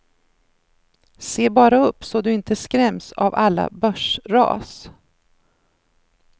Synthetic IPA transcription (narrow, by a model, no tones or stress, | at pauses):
seːbɑːɾaɵpːsɔd̪ɵɪnt̪əskɾɛmsa̰valːa̰bœʂɾɑ̰ːs